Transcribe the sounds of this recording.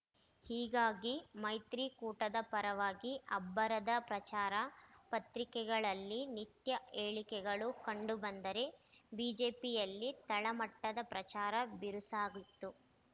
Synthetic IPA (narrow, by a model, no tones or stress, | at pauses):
hiːɡaːɡimɐjt̪ɾikuːʈɐd̪ɐpɐɾɐʋaːɡiɐbːɐɾɐd̪ɐpɾɐt͡ʃaːɾɐpɐt̪ɾikɛɡɐɭɐlːinit̪jɐʔeːɭikɛɡɐɭukɐɳɖubɐnd̪ɐɾe̞biːd͡ʒe̞ːpijɐlːit̪ɐɭɐmɐʈːɐd̪ɐpɾɐt͡ʃaːɾɐbiɾusaːɡut̪ːu